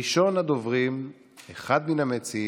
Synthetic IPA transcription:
iʃo̞nad̪ovʁim | eχad̪minamet͡si

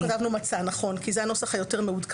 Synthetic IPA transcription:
tavnumat͡sanaχo̞nkizeano̞saχhajote̞ʁmeud̪k

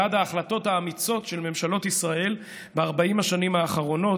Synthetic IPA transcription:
adaːχlato̞thaːmit͡so̞tʃe̞lme̞mʃalo̞tisʁae̞l | beaʁbaimhaʃanimhaːχaʁo̞no̞

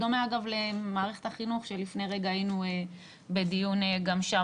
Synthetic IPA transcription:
domeaɡavle̞maːʁe̞χet̪aχinuχʃe̞lifneʁe̞ɡaːjinue | be̞d̪ijuneɡamʃa

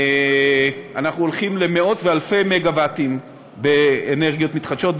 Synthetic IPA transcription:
anaχnuolχimle̞meo̞tvealfejmeɡavatim | beːneʁɡijo̞tmitχad̪ʃo̞t̚

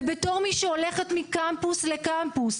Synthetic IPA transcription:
beto̞ʁmiʃeole̞χet̪mikampuslekampus

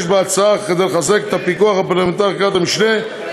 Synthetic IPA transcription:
ʃbeat͡saaχked̪ejlχazeket̪apikuaχapaʁlement̪aʁkat̪amiʃne

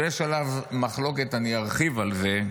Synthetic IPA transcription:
jeʃalavmaχlo̞ke̞t̪aniaʁχivalze̞

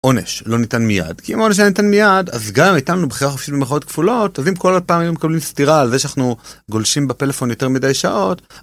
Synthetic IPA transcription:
ʔo̞ne̞̰ʃlo̞nitanmija̰d̥kiimao̞neʃ̬anitanmijada̰zɡamitannubχiʁaχofʃit̚bemeχao̞tkfulo̞tazimkolod̚paːmajumekablimstiʁaːlzeʃanaχnuɡo̞lʃimbete̞le̞fo̞njo̞te̞ʁmidajʃa̰ʔo̞t

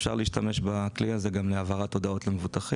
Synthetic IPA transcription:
fʃa̰ʁliːʃtame̞ʃbakliazeɡamleavaʁat̪o̞d̪ao̞tlemevut̪aχi

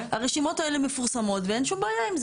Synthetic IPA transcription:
aʁeʃimo̞tae̞lemefuʁsamo̞t̪veenʃumbeːjaimz

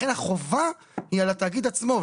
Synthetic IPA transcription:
enaχo̞va | hialat̪aːɡid̪at͡smo̞v

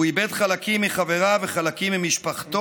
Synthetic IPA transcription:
uibed̪χalakimːiχave̞ʁaveχalakimːimiʃpaχt̪o

